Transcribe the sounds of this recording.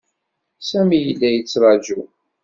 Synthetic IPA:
sæmijəlːæjət͡sːɾˤɑd͡ʒu

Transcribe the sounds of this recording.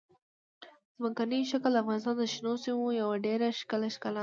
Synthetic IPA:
zmakaniʃakld̪əafɣɑnɪs̬t̪ɑnd̪əʃnosimojawaɖeɾaʃkəlaʃkala

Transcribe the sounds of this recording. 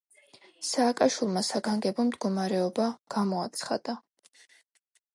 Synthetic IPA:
saːkʼaʃwilˠmasaɡaŋɡɛbɔmd̪ɡɔmaɾɛɔbaɡ̥amɔat̪sʰχad̪̥a

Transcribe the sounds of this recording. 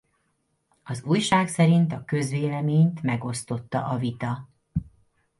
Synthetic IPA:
ɒzuːjʃaːksɛɾint̪ɒkø̞zʋeːlɛmeːɲt̪mɛɡo̞st̪o̞t̪ːɒ̰ʔɒvit̪ɒ

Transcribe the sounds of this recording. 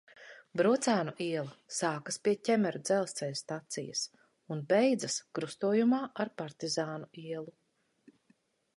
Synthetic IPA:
bɾut̪saːnuʔiɛlˠɐsaːkaspiɛcʲɛmɛɾud̪zɛlˠst̪sɛjst̪at̪sḭjɐ̰s | unbɛjd̪zɐskɾust̪uɔjumaːʔaɾpaɾt̪izaːnuiɛlˠu

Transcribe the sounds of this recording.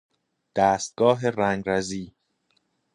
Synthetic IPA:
d̪̥æːst̪̚ɡ̥ɒːɦeræŋɡɾæziː

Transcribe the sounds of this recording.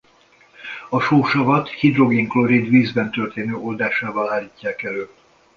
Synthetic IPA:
ɒʃoːʃɒvɒt̪hid̪ro̞ɡiŋkloɾid̪ʋiːzbɛnt̪ørt̪eːnøːʔo̞ld̪aːʃaːvɒlaːliːcːaːkɛløː

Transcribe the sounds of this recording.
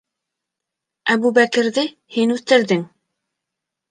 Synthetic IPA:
æβuβækɘ̆ɾðɘ | hinʉθt̪ɘ̆ɾðɘŋ

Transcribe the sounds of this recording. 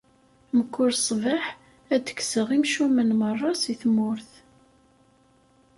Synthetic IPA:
məkːʊɾsˤvaħ | æd̪ə̥ksəʁimʃumənmərˤːɑsiθmʊɾθ

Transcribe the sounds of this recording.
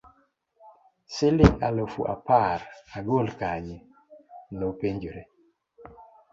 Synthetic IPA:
sɪlɪŋa̰lofṵʔa̰paraɡolkaɲɪ | lopeɲd͡ʒoɾe

